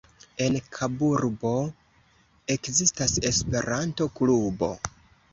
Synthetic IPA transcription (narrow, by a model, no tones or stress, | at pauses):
e̞nkʰabuɾbo̞ | e̞kzistase̞spe̞ɾʔanto̞klubo̞̰